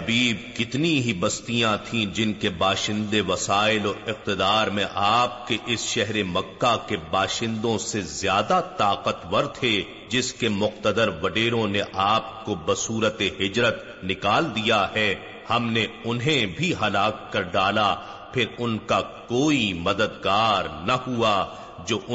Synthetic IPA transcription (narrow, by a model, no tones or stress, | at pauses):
ɐbiːb̚kɪt̪niɦibɐst̪ijãt̪ʰĩd͡ʒɪnkebaːʃɪ̃nd̪eʋɐsaːɪlɔːɪq̚t̪ɪd̪aːɾmẽʔaːp̚keʔɪsʃɛɦɾemɐkːakebaːʃɪ̃nd̪õsezjaːd̪at̪aːqət̪ʋɐɾt̪ʰe | d͡ʒɪskemʊqt̪əd̪əɾʋɐɖeːɾõneʔaːp̚kobɐsuːɾət̪eɦɪd͡ʒɾət̪ | nɪkaːld̪ijahɛ | hɐmneʊnɦẽbʱiɦɐlaːkːɐɾɖaːla | pʰɪɾʊnkakoːimɐd̪əd̪ɡaːɾnahua | d͡ʒoːʔʊ